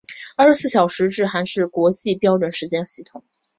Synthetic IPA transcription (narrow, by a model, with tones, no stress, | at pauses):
ʂɻ̩˧˥sɹ̩˥˩ɕjɑ˨˩ʊʂɻ̩˧˥ʈ͡ʂɻ̩˥˩xa˧˥nʂɻ̩˥˩kwɔ˧˥t͡ɕi˥˩pjɑ˥ʊʈ͡ʂwə˨˩nʂɻ̩˧˥t͡ɕjɛ˥nɕi˥˩t̪ʰʊ˨˩˦ŋ